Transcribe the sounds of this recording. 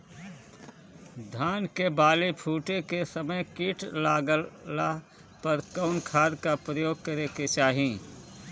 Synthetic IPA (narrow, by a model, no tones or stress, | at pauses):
d̪ʱaːnkebaːlepʰuːʈekesəməjkiːʈʰlaːɡəla | pɐɾkəʊnkʰaːd̪kapɾəjoːɡ̚kəɾeket͡ʃaːɦĩ